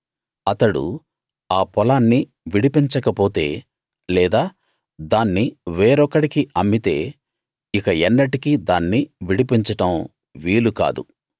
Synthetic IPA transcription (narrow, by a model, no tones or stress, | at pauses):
ɐt̪ɐɽṵ | aːpɔlaːnːi | ʋiɽipiɲt͡ʃɐkɐpoːt̪e̞̰ː | lɛːd̪aː | d̪aːnːiʋeːɾɔkːɐɽikiʔɐmːit̪e̞ː | ikɐɛnːɐʈikid̪aːnːiʋiɽipiɲt͡ʃɐʈɐm | ʋiːluka̰ːd̪ṵ